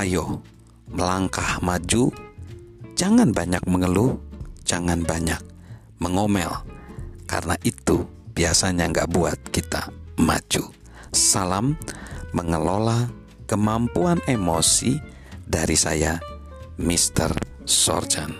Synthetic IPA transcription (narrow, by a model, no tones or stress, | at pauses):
ajoh | məlaŋkahmad͡ʒu | d͡ʒaŋanbaɲak̚məŋəluhd͡ʒaŋanbaɲak̚ | məŋomɛ̰lka̰rənaʔit̪u | b̥iasaɲaŋɡaʔbuat̪̚kit̪a̰ma̰d͡ʒu | salamːəŋəlola | kəmampuanemosi | daɾisaja | mist̪ə̰r | sɔ̰rd͡ʒan